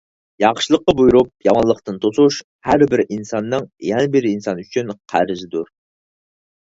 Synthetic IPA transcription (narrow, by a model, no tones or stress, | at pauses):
jɑχʃɨlˠəqːɑbujuɾup̚jɑmɑnlˠːəχt̪ɨnt̪ʰosuʃ | hæɾbɪɾinsɑnːɨŋjɛnɪbɪɾɪinsɑnyt͡ʃʰynqʰæ̰ɾzɪd̪uɾ